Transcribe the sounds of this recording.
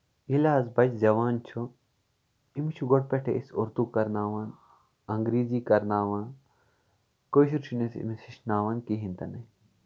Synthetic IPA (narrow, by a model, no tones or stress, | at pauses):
ilaːzbɐt͡ʃzɐʋaːnt͡ʃʰu | imt͡ʃʰuɡoʈ̚peʈʰḛʔisuɾt̪uːkɐɾnaːʋan | ɐŋɡɾiːziːkɐɾnaːʋaːn | koɕ̬iɾt͡ʃʰunesḭmisiʃnaːʋankiɦint̪ɐnɐ